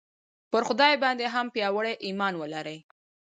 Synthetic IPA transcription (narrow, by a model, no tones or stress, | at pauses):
pəɾxʊd̪ɑjbɑnd̪eɦampjɑwəɽeʔimɑnwəlaɾəj